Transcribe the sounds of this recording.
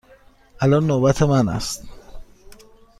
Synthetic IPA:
ʔælɒnːobæt̪ʰemænæ̰st̪

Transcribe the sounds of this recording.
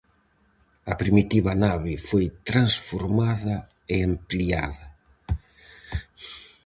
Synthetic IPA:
ɐpɾimit̪iβɐnaβɪfojt̪ɾansfoɾmaðɐ | eamplia̰ðɐ

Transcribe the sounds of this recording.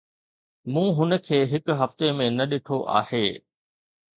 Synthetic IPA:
mũːɦʊnə̆kʰeːɦɪkʊɦɐft̪emẽnɐɗɪʈʰoʔa̰ːheː

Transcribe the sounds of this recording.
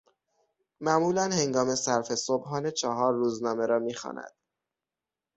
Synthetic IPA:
mæmuːlænhe̞ŋɡɒːme̞sæɾfe̞sobɦɒːnet͡ʃʰɒːɦɒːɾːuːznɒːme̞ɾɒːmiːxɒ̰ːnæ̰d̪̥

